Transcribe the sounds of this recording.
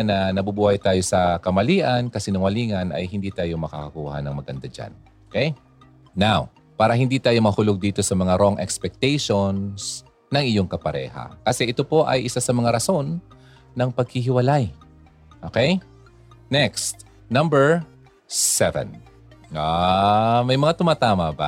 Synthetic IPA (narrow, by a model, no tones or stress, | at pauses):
nɐnɐbubuːhɐjt̪aːjo̞sɐkɐmɐliːʔɐnkɐsɪnɐŋwɐliːŋɐnɐ̰jhɪnd̪iːt̪aːjo̞mɐka̰kɐkuːhɐ̰nɐŋmɐɡɐnd̪ad͡ʒa̰n | okɛjː | aw | paːɾɐɦɪnd̪iːt̪aːjo̞mɐhʊloɡ̚d̪iːt̪o̞sɐmɐŋaɾo̞ŋʔɛkspɛk̚t̪ɛjʃons | nɐŋɪjoŋkɐpɐɾɛ̰ːhɐ̰kɐsɛʔɪt̪o̞po̞ʔɐ̰jʔɪsasɐmɐŋaɾɐso̞nː | ɐŋpɐɡ̚hɪɦɪwɐlaj | ʔoːkɛj | nɛkst̪̚ | nɐ̃mbɛɹ | sɛvɛ̰n | a | mɐjmɐŋat̪ʊmaːt̪aːmɐba̰